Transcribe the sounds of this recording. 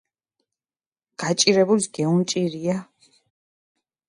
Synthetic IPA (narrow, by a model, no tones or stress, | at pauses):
ɡ̥at͡ʃʼiɾɛbulisɡ̥ɛunt͡ʃʼiɾia